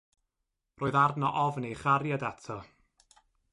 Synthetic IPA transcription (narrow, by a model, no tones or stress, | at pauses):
roːɨðardnɔʔɔvnejχaɾjadatʰɔ